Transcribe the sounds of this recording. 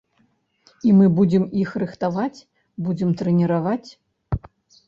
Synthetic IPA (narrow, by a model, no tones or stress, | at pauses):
imɨbud͡zʲɛmixrɨxt̪avat͡sʲ | bud͡zʲɛmt̪ɾɛnʲiɾavat͡sʲ